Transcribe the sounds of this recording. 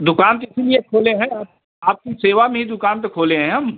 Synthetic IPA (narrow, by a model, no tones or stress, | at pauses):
d̪ʊkaːnt̪oɪsiliekʰoːlẽɦɛ̃aːp̚ | aːp̚kiseːʋamẽɦid̪ʊkaːnt̪okʰoːlẽɦɛ̃ɦɐm